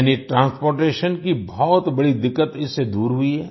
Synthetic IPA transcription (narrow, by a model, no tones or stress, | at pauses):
niʈɾãːnspoːɾʈeːʃənkibɔːt̪bɐɽid̪ɪkːət̪ɪsːed̪uːɾɦuiɦɛː